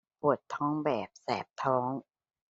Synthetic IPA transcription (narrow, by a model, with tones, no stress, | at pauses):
pu˨˩ət̪ʰːɔː˦˥ŋbɛː˨˩p̚sɛ̰ː˨˩p̚t̪ʰɔː˦˥ŋ